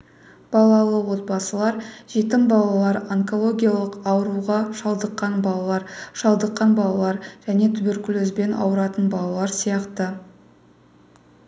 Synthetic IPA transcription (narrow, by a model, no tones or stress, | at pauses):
b̥ɑlˠɑlˠəwo̞t̪̚bɑsəlˠɑɾʒ̥et̪ɪmbɑlˠɑlˠɑɾaŋko̞lˠo̞ɡʲijalˠəqɑwəɾuʁɑʃɑlˠd̪əqːɑnbɑɑɾʃɑlˠd̪əqːɑnbɑlˠɑlˠɑɾʒ̥æne̞t̪ʰʏbe̞ɾkʲʊløzbe̞nʔɑ̰wəɾɑt̪ənbɑlˠɑlˠɑɾsijɑqt̪ə